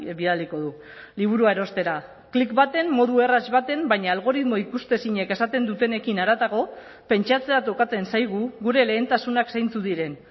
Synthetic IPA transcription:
βiðaliko̞ðu | liβ̞uɾuaeɾo̞st̪e̞ɾa | klikbat̪e̞mːo̞ð̞ue̞razβat̪e̞mbaɲaːlɣ̞o̞ɾit̪moikust̪e̞siɲe̞ke̞sat̪e̞nd̪ut̪e̞ne̞kinaɾat̪aɣo̞ | pe̞nt͡ʃat͡se̞at̪o̞kat͡se̞nsajɣ̞uɣuɾe̞le̞ːnt̪asunaksajnt͡suðiɾe̞n

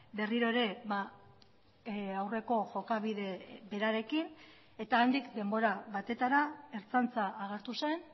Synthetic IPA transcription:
be̞riɾo̞eɾe̞βa | awre̞ko̞ʝo̞kaβiðe̞be̞ɾaɾe̞kin | e̞t̪aːnd̪ikd̪e̞mbo̞ɾaβat̪e̞t̪aɾae̞ɾt͡sant͡saʔːɣ̞aɾt̪use̞n

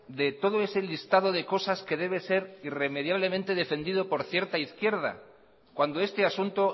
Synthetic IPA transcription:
d̪e̞t̪o̞ð̞o̞e̞selist̪aðo̞ðe̞ko̞saske̞ð̞e̞βe̞se̞ɾire̞með̞jaβle̞mẽnt̪e̞ðe̞fe̞nd̪iðo̞po̞ɾθje̞ɾt̪aiθkje̞ɾð̞a̰ | kwand̪o̞e̞st̪easunt̪o̞

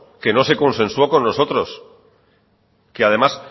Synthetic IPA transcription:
ke̞no̞se̞ko̞nsẽ̞nsuako̞nːo̞so̞t̪ɾo̞s | keað̞e̞mas

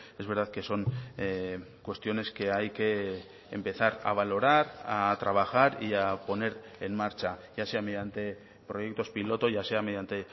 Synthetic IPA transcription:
e̞zβe̞ɾð̞aðke̞so̞ŋ | kwe̞st̪jo̞ne̞ske̞ajke̞ː | mpe̞θaɾa̰β̞alo̞ɾaɾat̪ɾaβ̞axaɾiapo̞ne̞ɾ | enmaɾt͡ʃaʝase̞ame̞ðjant̪e̞ | pɾo̞je̞k̚t̪o̞spilo̞t̪o̞ʝaseame̞ð̞jant̪e̞

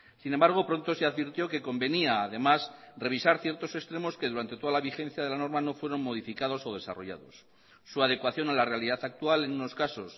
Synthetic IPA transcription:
sinembaɾɣ̞o̞pɾo̞nt̪o̞seaðβiɾt̪jo̞ke̞ko̞mbe̞niaːðe̞masre̞β̞isaɾθje̞ɾt̪o̞sest̪ɾe̞mo̞ske̞ðuɾant̪e̞t̪o̞ðalaβ̞ixẽ̞n̟θjaðe̞lano̞ɾmano̞fwe̞ɾo̞nmo̞ðifikað̞o̞so̞ð̞e̞sa̰ro̞ʝa̰ðo̞̰sː | uaðe̞kwaθjo̞nalare̞aliðaθak̚t̪uale̞nuno̞skaso̞s

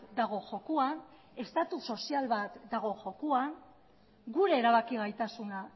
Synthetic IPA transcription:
d̪aɣ̞o̞ʝo̞kuan | e̞st̪at̪uso̞sialβat̪d̪aɣ̞o̞ʝo̞kuan | ɡuɾe̞ːɾaβ̞akiɣajt̪asuna

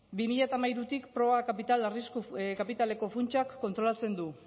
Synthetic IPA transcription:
bimiʎat̪amajɾut̪ikpɾo̞βakapit̪alariskukapit̪ale̞ko̞funt͡ʃakːo̞nt̪ɾo̞lat͡se̞nd̪u

